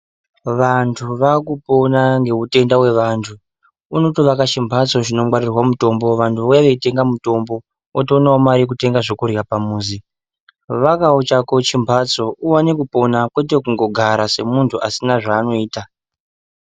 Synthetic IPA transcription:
ʋantʰuʋakupo̞naŋɡe̞ute̞ndawe̞ʋaːntʰu | unotoʋakat͡ʃimbʱat͡so̞ʐino̞mwarirwamuto̞mbo̞ʋantʰuʋojaʋe̞ite̞ŋɡamuto̞mbo̞ | otiunaomaɾikute̞ŋɡaʐokurjapamuːzi | ʋakaot͡ʃako̞t͡ʃimbʱat͡so̞uwanekupo̞nakwe̞t̬ekuŋɡo̞ɡʱaɾase̞muntʰuʔasinaʐaːno̞iːta

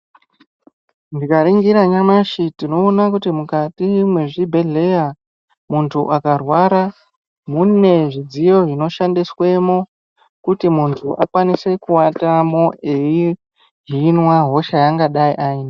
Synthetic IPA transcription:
ndikaɾiŋɡiɾaɲamaʃitino̞ːnakutimukatimwe̞ʐibʱe̞ɮe̞ja | muntʰuʔakarwaɾa | mune̞ʐid͡zijo̞ʐino̞ʃandiswe̞mo | kutimuntʰuʔakwanise̞kuwatamo̞ʔei | ɦinwaɦo̞ʃajaŋɡaɗaiʔaiːna

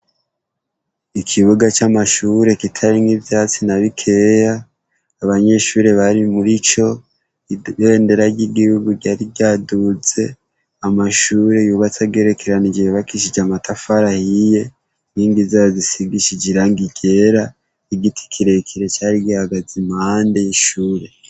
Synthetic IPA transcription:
ikʰiβuɡat͡ʃamaʃuːɾe̞kitʰaɾiŋivjaːt͡sinaβikʰe̞jaː | βaɲe̞ʃuːɾe̞βaɾimuɾit͡ʃo̞ | e̞nde̞ɾaɟiɡihuɡuɟaːɾiɟadut͡se̞ | amaʃuːɾe̞juβat͡saɡeɾe̞kʰeɾanid͡ʒiɾeβakiʃ̬id͡ʒamatafaɾahije̞ | niːŋɡizajozisiɡiʃid͡ʒiɾaŋɡiɡe̞ɾa | iɡitʰi̥kʰiɾe̞kʰiɾe̞t͡ʃaːɾiɡihaɡazimaːndeiʃuːɾe̞

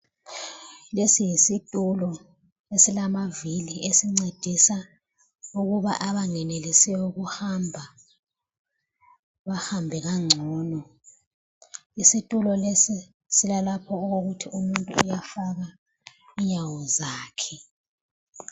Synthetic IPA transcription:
lesijisitʼulɔ | esilamaviliesiŋ͡ǀed̥ʱisa | uɣuβa̰ʔaβaŋɛnelisɛɔɣuhambʱa | βahambʱɛɣaŋ͡ǀʱɔːnɔ | isitʼulɔlesi | silalapʰɔoɣoɣutʰiʔumuntʼṵːjafaɣa | iɲawɔzaːkʰɛ

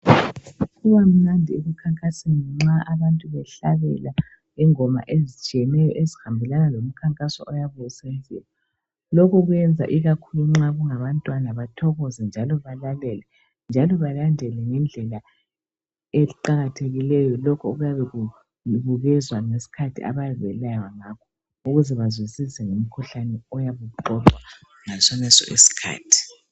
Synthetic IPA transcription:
ɣuβam̩ŋ͡ǀandʱieβukʰaŋkʼasinŋ͡ǁaʔaβantʼuβɛɬaβɛ̰la | ɛŋɔma̰ʔezit͡ʃʼiɛnɛjɔʔezihambʱɛlanalom̩kʰaŋkʼasɔ̰ʔɔjaβuɣɛsezḭwɔ | lɔkʰɔɣujɛnd͡zʱa̰ʔiɣakʰuluŋ͡ǁaɣuŋaβantʼwanaβatʰɔɣɔzɛnd͡ʒʱalɔβalalɛlɛ | nd͡ʒʱalɔβalandʱɛlɛŋɛnd͡ɮʱɛla | eǃaɣatʰeɣilɛjɔlɔkʰɔuɣujaβɛɣu | βuɣɛzwaŋesi̥kʰatʰḭʔa̰βaβɛlajwaŋakʰɔ̥ | uɣuzɛβazwisizɛŋum̩kʰuɬanɛɔjaβuǃɔtwa | ŋasɔnɛsɔ̰ʔḭsi̥kʰa̰ːtʰi̥

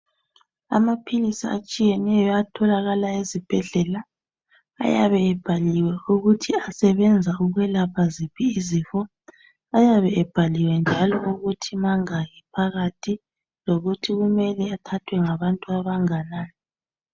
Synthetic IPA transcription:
a̰mapʰilisa̰at͡ʃʼijɛnɛjɔatʰɔlaɣalaezib̥ʱɛɮɛla | a̰jaβɛːb̥ʱaliwɛuɣutʰiasɛβɛnd͡zʱauɣwɛlapʰazipʰiːzifɔ | ajaβɛɛb̥ʱaliwɛnd͡ʒʱalɔuɣutʰimaŋaɣɛpʰaɣatʰi | loɣutʰiɣumɛlɛatʰatʰwɛŋaβantʼuaβaŋanaːnɛ

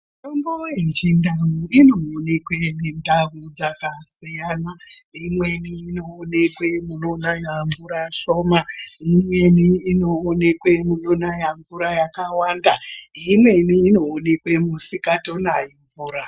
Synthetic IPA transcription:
tombojent͡ʃindaɦuinoːne̞kwe̞nindarud͡zakasijanaimwe̞niːno̞ːne̞kwe̞mulonajaɱvuɾaʃo̞ːmaimwe̞niːno̞ːne̞kwe̞mulonajaɱvuɾajakawandaimwe̞niːno̞ːne̞kwe̞musikato̞najiɱvuːɾa

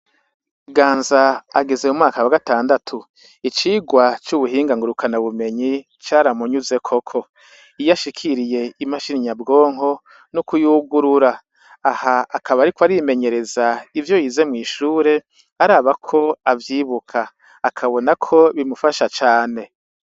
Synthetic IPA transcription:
ɡaːnzaaɡeze̞umŋaːkawaɡataːndatʰu | it͡ʃiːɡwat͡ʃuβuɦiːŋɡaŋɡuɾukʰanaβume̞ɲi | t͡ʃaːɾamuɲuze̞kʰo̞kʰo̞ | ijaʃikʰiɾije̞imaʃiniɲabɡo̞ːŋ̥ɦo̞ | nukujuɡuɾuɾa | ahaːkʰaβaɾikwaɾime̞ɲe̞ɾe̞zaivjojize̞mŋiːʃuːɾe̞ | aɾaːβakʰo̞avjiːβukʰaː | kʰaβo̞nakʰo̞βimufaʃat͡ʃaːne̞

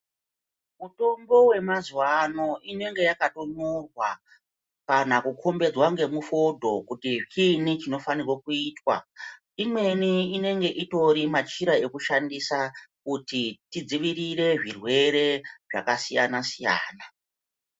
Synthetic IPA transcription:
muto̞mbo̞we̞mazwano̞ʔine̞ŋɡe̞jakato̞norwa | kanakukʰo̞mbe̞d͡zwaŋɡe̞mufo̞dʱo̞kutit͡ʃinit͡ʃino̞fanirwokuiːtwa̰ | imwe̞niine̞ŋɡe̞ʔito̞ɾimat͡ʃiɾae̞kuʃandisakutitid͡ziʋirire̞ʐirwe̞ɾe̞ʐa̰kasija̰nasija̰ːna

